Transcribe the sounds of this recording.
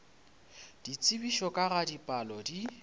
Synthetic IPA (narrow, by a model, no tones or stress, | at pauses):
d̥it͡sʼɪbiʃɔkʼaɣadipʼalɔdi